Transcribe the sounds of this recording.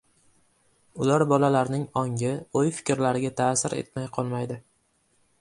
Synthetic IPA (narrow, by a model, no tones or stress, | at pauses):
ʊlaɾbɒlalaɾnɪŋɒŋʲɪojfɪ̥kʲɾlaɾɪɡʲat̪ʰaːsɪɾḛt̪̚majqʰɒlˠmajd̪ɪ